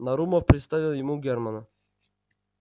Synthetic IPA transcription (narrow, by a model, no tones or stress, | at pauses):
nɐɾuməfpɾʲɪt̪st̪avʲɪlˠjɪmuɡʲermanɐ